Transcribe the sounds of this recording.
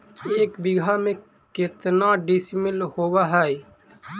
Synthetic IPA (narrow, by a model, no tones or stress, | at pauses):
eːkbɪɡʱamẽ | kɪt̪naɖismɪlhobaɦɛj